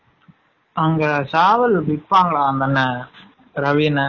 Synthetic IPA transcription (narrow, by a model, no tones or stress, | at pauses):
ɐŋɡɐsaːʋɐlbɪpːaːŋɡɐɭaːnd̪ɐnːɐ | ɾɐʋiːnɐ